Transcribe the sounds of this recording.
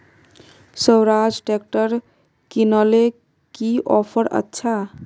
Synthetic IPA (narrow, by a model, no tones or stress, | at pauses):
sʌwɾad͡zʈek̚ʈəɾ | kinʌle | kiʔɔpʰəɾə̰tːʃʰa